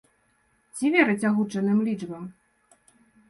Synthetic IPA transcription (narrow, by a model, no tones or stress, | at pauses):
t͡sʲivʲɛɾɨt͡sʲaɣut͡ʂɐnɨmlʲit͡ʂbɐm